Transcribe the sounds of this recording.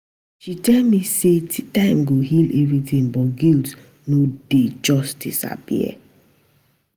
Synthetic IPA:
ʃitɛlmisetãɪ̃mɡoɦilɛvɹiθĩŋbɔɡilt | noded͡ʒɔsd̥isa̰pḭɛ̰

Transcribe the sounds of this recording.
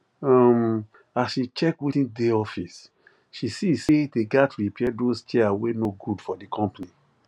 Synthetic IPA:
ɔm | asʃit͡ʃɛkwitĩndeɔfis | ʃisiseteɡatɾipʰɛdost͡ʃɛawenoɡudfɔdikʰɔ̃mpni

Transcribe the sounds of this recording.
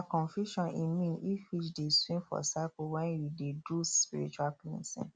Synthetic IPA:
akɔ̃nfjuʃɔ̃nimĩnifit͡ʃdeswĩnfɔ̰sakowɛ̃njudeduspiɾit͡ʃuapḭ̃sḭ̃n

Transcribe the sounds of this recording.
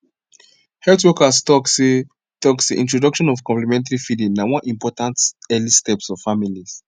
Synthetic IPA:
hɛltwɔkastɔkse | tɔksḛʔĩntɹɔdɔkʃɔ̃nɔvkɔ̃mplɛmɛ̃nt̬aɹifidĩŋnawɔ̃nʔĩmpɔtãntɛlistɛpsɔv̥familis

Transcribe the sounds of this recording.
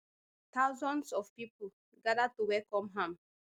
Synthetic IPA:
taʊzɔ̃nsɔfpipo | ɡadatuwɛlkɔ̃mɦãm

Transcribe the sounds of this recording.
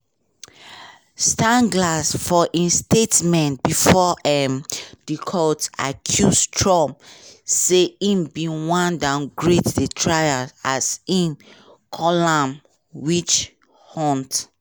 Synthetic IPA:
stãnɡlasfɔʔĩnstetmɛ̃ntbifɔʔɛmd̥ikʰɔtakʰjustʰɹɔ̃mseĩmbĩwãndãnɡɹetdetʰɹajaasĩm | kʰɔlãm | wit͡ʃ | hɔ̃nt

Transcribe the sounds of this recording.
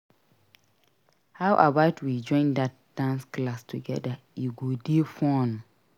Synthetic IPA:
hawʔabatwid͡ʒɔ̃ɪ̃ndat̚d̥ãnsklastʰuɡɛ̰da | jiɡodefɔ̃n

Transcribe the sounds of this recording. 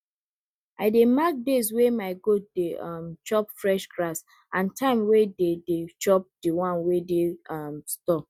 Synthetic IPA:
ʔaɪdemak̚deswemaɪɡodeɔmt͡ʃɔpfɹɛʃɡɾas | ãntʰãɪ̃mwededet͡ʃɔp̚diwãnwedeɔmstɔp̚

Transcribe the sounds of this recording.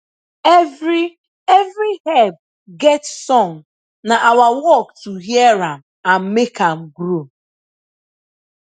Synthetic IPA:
vi | evɾihɛb̚ | ɡɛtsɔŋ | naʔawawɔktuɦjeɾam | am̩mekʰam̩ɡɾu

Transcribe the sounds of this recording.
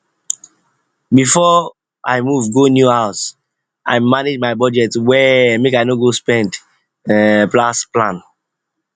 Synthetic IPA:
bifɔ | aɪmuvɡonjuhaʊs | ʔa̰ɪmaned͡ʒmaɪbɔd͡ʒɛtwɛmekaɪnoɡospɛ̃nd | plasplãn

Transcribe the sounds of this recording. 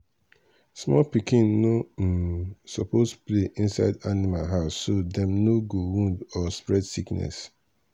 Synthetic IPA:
smɔlpikĩnːõ | sɔpostpleʔĩnsaɪdanimalɦaʊsːodɛ̃mnoɡowũndɔspɹɛdsiknɛ̰s

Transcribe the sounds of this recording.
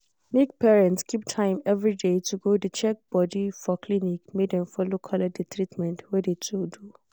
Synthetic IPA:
niɡ̚pʰɛɹɛ̃ntskʰip̚tʰãɪ̃mɛvɹidetʰuɡodət͡ʃʰɛk̚b̥ɔdifɔkʰlinikmedɛ̃mfɔlokʰɔladɛtʰɹitmɛ̃ntwɛdetʰudu

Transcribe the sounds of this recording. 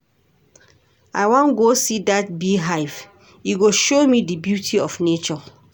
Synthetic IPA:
aɪwãnɡosidat̚biɦaɪf | juɡoʃomidibjutʰiɔfnet͡ʃɔ

